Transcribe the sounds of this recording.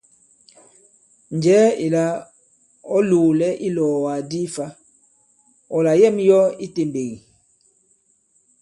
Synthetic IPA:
n˨d͡ʒɛː˨˦i˨la˦ | ɔ˦luː˨lɛ˦ʔi˦lɔː˨wa˨di˦fa˦ | ɔ˨la˨jɛ˦mjɔ˦i˦te˨mbe˨ɣi˨

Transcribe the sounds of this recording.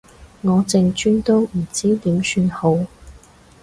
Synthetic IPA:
ŋɔː˨˧t͡sɪ˧ŋt͡ʃyː˥nt̪o˥wm̩˨˩t͡siː˥t̪iː˨˥msyː˧nho˨˥w

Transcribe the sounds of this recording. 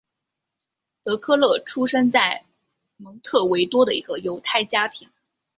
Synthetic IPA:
t̪ɤ˧˥kʰɤ˥˧lɤ˥˩ʈ͡ʂʰu˥ʂə˥ŋt͡sa˥˩ɪ | mɤ˧˥ŋt̪ʰɤ˥˩we˧˥ɪt̪wɔ˥d̪ə˨i˧˥ɡə˧jo˧˥ʊt̪ʰa˥˩ɪt͡ɕja˥t̪ʰi˧˥ŋ

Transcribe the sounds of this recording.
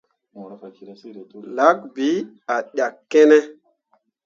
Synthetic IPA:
la˦k̚bi˨˦ | a˨ɗja˨kːɛ˦nɛ˦

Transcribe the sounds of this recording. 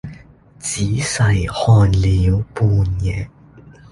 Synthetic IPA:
t͡siː˨˥sɐ˨˧jhɔː˧nliː˨˧˥wpuː˧njɛ˨˧

